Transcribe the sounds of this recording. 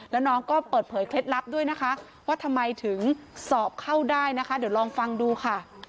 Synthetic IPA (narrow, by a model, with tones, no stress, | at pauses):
lɛː˦˥wnɔː˦˥ŋkɔː˥˩pɤː˨˩t̪̚pʰɤː˩˦jkʰle˦˥t̪̚la˦˥p̚du˥˩əjna˦˥kʰa˦˥ʔ | waː˥˩t̪ʰa˧mːa˧jt̪ʰɯ˩˦ŋsɔː˨˩p̚kʰa˥˩wdaː˥˩jna˦˥kʰa˦˥diː˨˩˦wɾɔː˧ŋfa˧ŋduː˧kʰa˥˩